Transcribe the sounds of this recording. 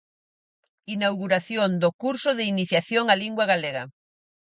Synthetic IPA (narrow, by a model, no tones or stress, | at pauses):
inawɣuɾaθjond̪okuɾsʊðɪiniθjaθjoŋaliŋɡwaɣaleɣa